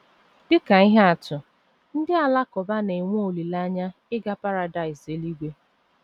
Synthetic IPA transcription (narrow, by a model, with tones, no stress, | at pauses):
dɪ˦ka˨i˦ɦa˦a˨tʊ˨ | n̩˦dɪ˦a˨la˦kɔ˨ba˦ne˨ŋʷo˦o˨li˨la˦ɲa˦ | ɪ˦ɡa˦pa˦ɾa˨da˨ɪ˨se˨li˦ɡʷe˦